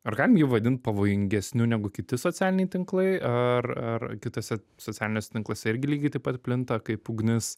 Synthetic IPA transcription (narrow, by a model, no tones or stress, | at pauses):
ɐɾɡɑːlʲɪmjiʋɐd̪ʲɪnt̪̚pɐʋoːjɪŋʲɡʲɛsʲnʲʊnʲæɡʊkʲɪt̪ʲɪsoːt͡sʲæːlʲɪnʲɛɪt̪ʲɪŋklˠɐɪɐrɐrkʲɪt̪oːsʲɛ | soːt͡sʲæːlʲɪnʲoːsʲɛt̪ʲɪŋklˠɐsʲɛɪɾʲɡʲɪlʲiːɡʲɐɪt̪ɐɪpɐt̪ʲpʲlʲɪnt̪ɐkɐɪpuɡnʲɪs